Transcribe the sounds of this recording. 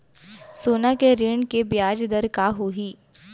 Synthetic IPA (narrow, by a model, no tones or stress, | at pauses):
soːnakeɾeːɳkebjaːd͡ʒd̪əɾkaɦoːɦiː